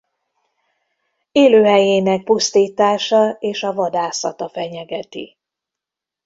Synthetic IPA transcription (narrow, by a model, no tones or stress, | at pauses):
eːløːɦɛjeːnɛk̚pust̪iːt̪aːʃɒeːʃɒvɒd̪aːsɒ̰t̪ɒfɛɲɛɡɛt̪ḭ